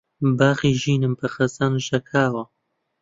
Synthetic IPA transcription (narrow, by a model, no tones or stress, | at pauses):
baːɣiːʒiːnɨmbɐxɐzaːnʒɐkʰaːwɐ